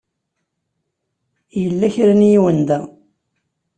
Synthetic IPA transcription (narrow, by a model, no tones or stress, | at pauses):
jəlːæçɾænjiwənd̪æ